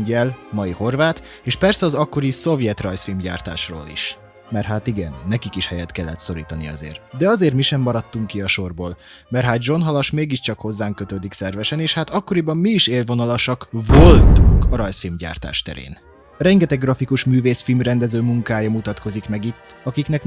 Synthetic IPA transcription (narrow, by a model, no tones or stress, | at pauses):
ɲɟɛlmɒjiho̞rvaːt̪ | eːʃpɛrsɛɒzɒkːo̞ɾiso̞vjɛt̪rɒjsfilmɟa̰ːrt̪a̰ːʃro̰ːlḭʃ | mɛrɦaːt̪iɡɛ̰nːɛkikiʃhɛjɛt̪kɛlːɛt̪so̞ɾḭːt̪ɒnḭɒ̰zḛːrt̪d̪ɛɒzeːrt̪miʃɛmːɒɾɒt̪ːuŋkːiɒʃo̞rboːl | mɛrɦaːd̪d͡ʒo̞nɦɒlɒʃmeːɡiʃt͡ʃɒkho̞zːaːŋkøt̪øːd̪iksɛrvɛʃɛneːʃhaːt̪ɒkːo̞ɾibɒmːiːʃeːlvo̞nɒlɒʃɒkvo̞lt̪uŋkɒɾɒjsfilmɟa̰ːrt̪a̰ːʃt̪ɛ̰ɾḛːn | rɛŋɡɛt̪ɛɡːrɒfikuʃmyːveːsfilmrɛnd̪ɛzøːmuŋkaːjɒmut̪ɒt̪ko̞zikmɛɡit̪ːɒkiknɛk